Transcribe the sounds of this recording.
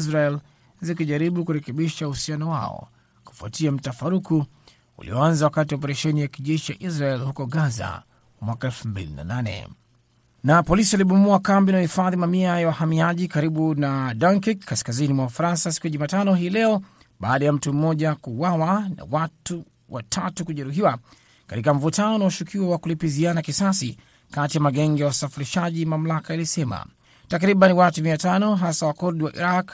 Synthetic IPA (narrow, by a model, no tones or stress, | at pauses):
izɾaɛl | zikiʄaɾiɓukuɾɛkɛɓiʃauhusianɔwa̰ɔ̰ | ku̥fua̰tiam̩tafaɾuku | ṵlḭɔanzawakatiɔp̬ɛɾɛʃɛnijakiʄɛʃia̰ʔizɾaɛlhukɔɠaza̰ | mwakaɛlfumbḭlḭna̰nanɛ̰ | napɔlisialiɓumuakambinahifaðimamiajawahamiaʄikaɾiɓunadaŋkikʰːaskazinimwawafaɾansasi̥kujaʄumaːtanɔɦiːlɛɔ | ɓa̰ːɗajam̩tum̩mɔʄakuwawana̰watu | wʔa̰tʰatukuʄɛɾuɦiwa | katikamvutʰanɔnaɔʃukʰiwawakulipizianakisasḭ | katijamaɡɛŋɡɛjawusafiɾiʃaʄimam̩lakailisɛma̰ | takɾiɓaniwatumiatanɔɦasawakɔɾɗiwaʔḭɾak